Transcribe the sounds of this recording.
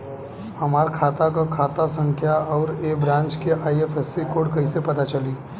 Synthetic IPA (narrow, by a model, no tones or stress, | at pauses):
hɐmaːɾkʰaːt̪akakʰaːt̪asə̃ŋkʰjaɔːɾeːbɾãːnt͡ʃkeʔaːiefɛsːikoːɖkɐĩsepɐt̪at͡ʃɐliː